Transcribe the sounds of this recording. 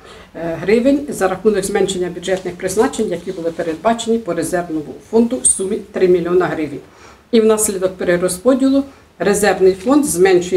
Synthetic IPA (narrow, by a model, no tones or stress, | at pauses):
ɦɾɪʋenʲzɐɾɐxnunɪxzmɛnʲʃenʲːɐbʲjʊdʒɛt̪nɪxpɾɪznɑt͡ʃenʲjɐkʲibʊlˠɪpe̞ɾed̪̚bɑt͡ʃe̞nʲipɔɾe̞zɛrʋnɔmʊ̰fɔnd̪ʊsumʲit̪ɾɪmʲilʲiɔnɐɦɾɪʋenʲ | iwnɑslʲid̪ɔk̚peɾeɾɔspɔdʲilˠʊ | ɾe̞zɛrʋnɪjfɔnd̪zmɛnʃʊ